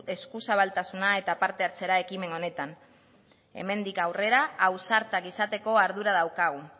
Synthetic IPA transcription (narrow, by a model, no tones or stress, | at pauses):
e̞skusaβ̞alt̪asunae̞t̪apaɾt̪e̞aɾt͡se̞ɾae̞kime̞no̞ne̞t̪an | ḛme̞nd̪ikawre̞ɾaːwsaɾt̪akisat̪e̞ko̞aɾð̞uɾað̞awkaɣ̞u